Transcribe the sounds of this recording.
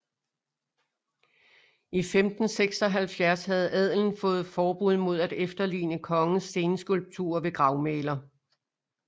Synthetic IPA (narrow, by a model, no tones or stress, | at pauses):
ifemd̥n̩seɡ̥sɒ̽ɦælfjæɐshæð̞̩ˠɛð̞̰ˠln̩fɔ̽ːð̩ˠfɒːb̥uð̞̰ˠmo̝ð̞̰ˠæd̥efd̥ɐlḭːnəkʰɒ̽ŋəsːe̝ːnəsɡ̥ulb̥̚t͡sʰṵɐʋe̝ɡ̥ʁɑ̈ʊmeːlɐ